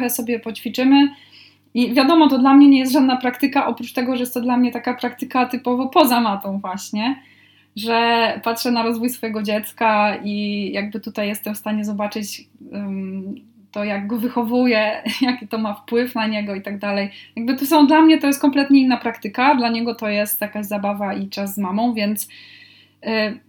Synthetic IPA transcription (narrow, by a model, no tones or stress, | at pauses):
ɛsɔbʲjɛpɔt͡ɕfʲit͡ʂɘmɘ | ivʲjad̪ɔmɔt̪ɔd̪lamɲɛɲɛjɛst̪ʐad̪napɾakt̪ɘkaʔɔpɾut͡ʂt̪ɛɡɔʐɛjɛst̪ːɔd̪lamɲɛt̪akapɾakt̪ɘkat̪ɘpɔvɔpɔzamat̪ɔ̃w̃vwaɕɲɛ | ʐɛpatʂɛnaɾɔzvujsfɔjɛɡɔd͡ʑɛt̪skaijaɡ̚bɘt̪ut̪ajːɛst̪ɛmfst̪aɲɛzɔbat͡ʂɘt͡ɕ | t̪ɔjaɡɡɔvɘxɔvujɛjakʲit̪ɔmafpwɘfnaɲɛɡɔit̪aɡd̪alɛjjaɡbɘt̪ɔs̬ɔ̃w̃d̪lamɲɛt̪ɔjɛst̪kɔmplɛt̪ɲɛinːapɾakt̪ɘkad̪laɲɛɡɔt̪ɔjɛst̪jakaʑzabavaʔit͡ʂazːmamɔ̃w̃vʲjɛnt̪s